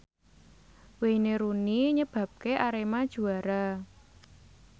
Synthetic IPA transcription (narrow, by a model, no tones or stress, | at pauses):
weneɾuniɲəb̥a̤p̚keʔaɾemad̥ʒ̥ṳaɾa